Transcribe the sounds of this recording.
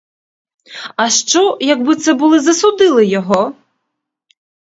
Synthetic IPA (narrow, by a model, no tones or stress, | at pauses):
ɐʃt͡ʃɔjɐɡbɪt̪sɛbʊlˠɪzɐsʊd̪ɪlˠɪjɔɦɔ